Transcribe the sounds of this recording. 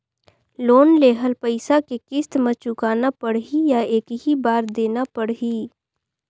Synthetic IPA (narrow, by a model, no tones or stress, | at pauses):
loːnleːɦəlpəɪsakekɪst̪mət͡ʃʊkaːnapɐɽɦijaeːkɦibaːɾd̪eːnapɐɽɦiː